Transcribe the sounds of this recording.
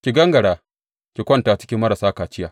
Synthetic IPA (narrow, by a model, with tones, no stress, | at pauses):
kʲi˨ɡɐ˦ŋɡɐ˨ɽaː˨ | kʲi˨kʷɔ˦ntaː˨t͡ʃɪ̥˦kʲi˦mːɐ˦ɾa˨saː˦kaː˨t͡ʃɪ˦jaː˨